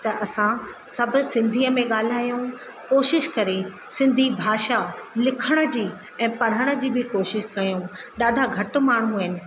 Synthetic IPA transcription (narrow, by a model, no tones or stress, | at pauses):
t̪ɐʔɐsã | sɐbʱʊ̆sɪ̃nd̪ʱiːəmẽɠaːl̤aːijũ | koːʃɪʃkɐɾe | sɪ̃nd̪ʱibʱaːʃalɪkʰəɽ̃ə̆d͡ʑiː | ɛ̃ːpɐɽ̤əɽ̃ə̆d͡ʑiːbɪkoːʃɪʃkɐjũɗaːɖʱaɡʱɐʈʊ̆maːɳ̤ũɦɪnɪ̆